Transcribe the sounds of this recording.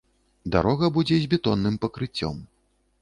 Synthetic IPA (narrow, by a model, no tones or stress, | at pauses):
d̪a̰ɾɔɣɐbud͡zʲɛzʲbʲɛt̪ɔnːɨmpɐkɾɨt͡sʲːɔ̰m